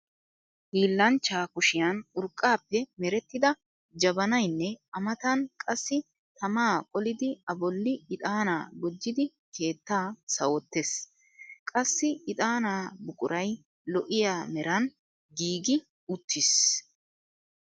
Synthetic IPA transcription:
diːlːɐnt͡ʃːaːkʊʃɪjanʊɾkʼːaːpːɛmɛɾɛt̪ːɪd̪ɐ | d͡ʒɐbɐnɐjnːɛɐmɐt̪ɐnkʼɐsːɪ | t̪ɐmaːkʼɔlɪd̪ɪɐbɔlːɪɪt̪ʼaːnaːɡɔd͡ʒːɪd̪ɪ | kʰe̞ːt̪ːaːsɐwɔt̪ːes | kʼɐsːɪɪt̪ʼaːnaːbʊkʼʊɾɐj | lɔʔɪjaːmɛɾɐn | ɡiːɡɪ | ʊt̪ːɪs

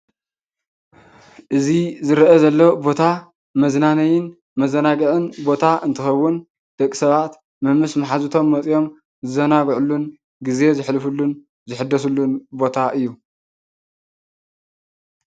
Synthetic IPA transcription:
ʔɨzizɨɾʔɐzɐlːɐbo̞t̪ʰa | mɐznanɐjɪn | mɐzɐnaɡɐʕɨnbo̞t̪ʰaʔɨnt̪ʰɨxɐwːʊn | d̪̥ɐkʼːi̥sɐβat̪ | mɐmːɨsmɐħazut̪ʰo̞mːɐt͡sʼjo̞m | zɨzɐnaɡʕulːun | ɡize̞zɨħlɨfulːun | zɨħɨd̪ːɐsulːunbo̞t̪ʰaʔɨjːu

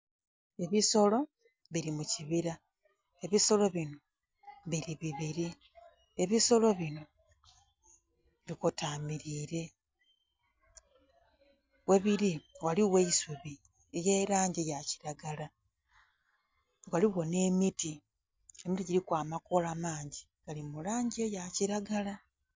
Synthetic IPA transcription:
e̞βiso̞lo̞ | βiɾimuciβiɾa | e̞βiso̞lo̞βino̞ | βiɾiβiβiɾi | eβiso̞lo̞βino̞ | βikotamiɾiːɾe̞ | we̞βiɾiwaliwe̞isuβi | ejeːɾaːɲɟejaci̥ɾaɡala | waliɣo̞ne̞miti | e̞mitiɟiɾikwaːmakolamaːɲɟi | ɡalimulaːɲɟejaciɾaɡala

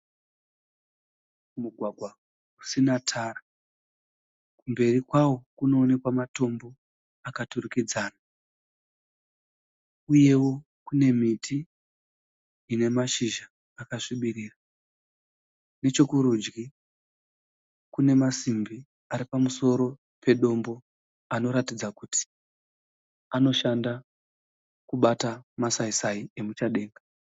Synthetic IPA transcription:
muɡʱwaɡʱwa | usinatʰaːra | kumbe̞rikwawo̞kuno̞ːne̞kwamato̞mbo̞ | akaturukid͡zaːna | uje̞wo̞ | kune̞miti | ne̞maʃiʒaː | kaʂiɓiɾiːra | ne̞t͡ʃokuɾud͡ʒɡi | kune̞masimbi | aɾipamuso̞ɾo̞ | pe̞ɗo̞mbo̞ | ano̞ɾatid͡zakuti̥ | ano̞ʃanda | kuɓatamasaisaie̞mut͡ʃaɗe̞ːŋɡa

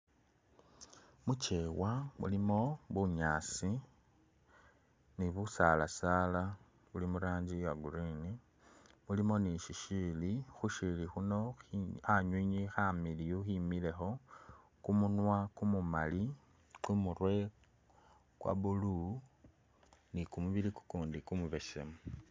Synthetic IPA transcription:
mut͡ʃe̞ːwamṵlimo̞βuɲaːsi | niβusala̰saːla | βulimuɾaːɲɟijaɡuɾini | mulimo̞niʃiʃiːlixuʃilixuno̞xiaɲwiɲixamilijuximile̞xo̞ | kumunwakumumali | kwumurwe̞ | kwa̰βulu | nikumuβiliku̥kuːndikumuβe̞se̞̰mu

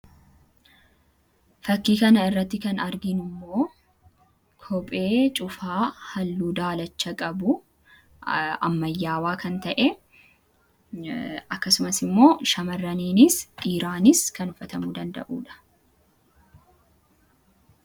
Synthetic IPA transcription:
fɐkːiːkɐnɐɪrːɐt̪ːɪkɐnɐɾɡɪnɪmːo̞ː | kʰɔpʼe̞ːt͡ʃʼʊfaːhɐlːuːd̪aːlɐt͡ʃːɐkʼɐbʊ | ɐ̰mːɐjːaːwaːkɐnt̪ɐʔɛ | ɐkːɐsʊmɐsɪmːo̞ːʃɐmɐrːɐniːnɪsʔiːɾaːnɪskɐnʊfɐt̪ɐmuːd̪ɐnd̪ɐ̰ʔṵːᶑɐ̥

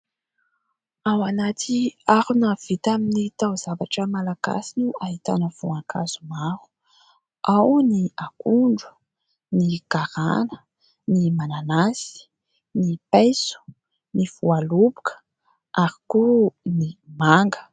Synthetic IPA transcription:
awanat̪ʰiaɾunav̥it̪aminit̪awz̥avaʈ͡ʂəmalaɡ̥a̰sinuaɦit̪a̰nəvuakʰaz̥umaɾu̥ | ʔawniakuɳɖ͡ʐu̥ | niɡaɾa̰nə | nimananasi̥ | nipejsu̥ | nivualubu̥kʰə̥ | ʔaɾikunimaŋɡə̥

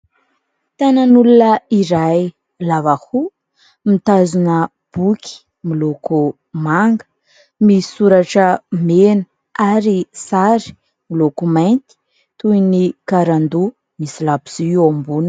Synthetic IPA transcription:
t̪ananulunəiɾaj | lavahu | mit̪azunə | b̥ukʲʰi̥ | miloko | maŋɡə̥ | misuɾaʈ͡ʂəmenu | aɾisaɾi̥ | milokumant̪i̥ | t̪uinikaɾand̪u | misilapi̥ziiwambun

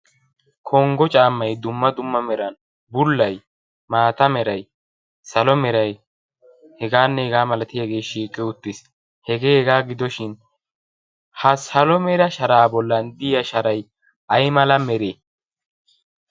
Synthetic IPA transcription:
kʰɔŋɡɔt͡ʃʼaːmːɐjd̪ʊmːɐd̪ʊmːɐmɛɾɐn | bʊlːɐj | maːt̪ɐmɛɾɐj | sɐlɔmɛɾɐj | hɛɡaːnːɛɛɡaːmɐlɐt̪ɪjɐɡe̞ːʃiːkʼːɪʊt̪ːɪs | hɛɡeːhɛɡaːɡɪd̪ɔʃɪn | hɐsɐlɔmɛɾɐʃɐɾaːbɔlːɐnd̪ɪjɐʃɐɾɐj | ʔɐjmɐlɐmɛɾe

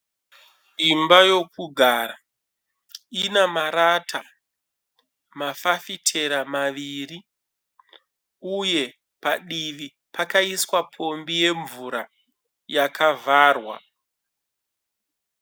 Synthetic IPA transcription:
imbajo̞kuɡʱaːra | inamaɾatʰa | mafafitʰe̞ɾamaʋiːri | uje̞ | paɗiʋi | pakaiswapʰo̞mbije̞ɱvuɾa | jakʰavʱaːrwa̰

